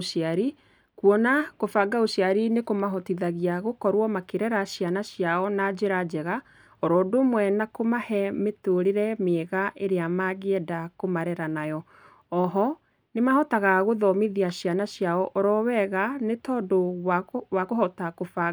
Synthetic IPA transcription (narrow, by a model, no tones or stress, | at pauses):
ʃiaɾi | kwɔnakofaɡaoɕiaɾinekomaɦɔtiðaɣiaɣokɔɾwɔmakeɾɛɾaɕjanaɕjaɔnad͡ʑeɾad͡ʒɛɣa | ɔɾɔːdomwɛnakomahɛmetoɾeɾɛmeːɣaʔeɾeamaɣeɛdakomaɾɛɾanajɔ | ɔɦɔ | nemahɔtaɣaɣoðɔmiðiaɕjanaɕjaɔʔɔɾɔwɛɣanetɔːdo | wakoɦɔtakofa